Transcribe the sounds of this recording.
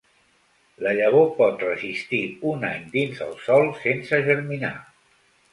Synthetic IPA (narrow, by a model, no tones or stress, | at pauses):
ləʎəβ̞opɔt̪rəzist̪iunaɲd̪inzə̰lˠsɔlˠsensəʒəɾmina̰